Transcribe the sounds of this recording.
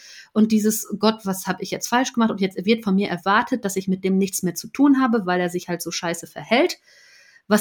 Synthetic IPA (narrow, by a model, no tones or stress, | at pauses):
ʔʊnt̚d̥iːzəsɡ̥ɔtv̥ashaːbəɪçjɛt͡stfalʃɡ̥əmaχtʊnjɛt͡svɪɐtfɔnmiːɐʔɛɐvaɐtʰət̚d̥asɪçmɪt̚d̥eːmnɪçt͡smeːɐt͡sutʰuːnɦaːbəvaɪleːɐzɪçhaltz̥oːʃaɪsəfɛɐhɛlt | vas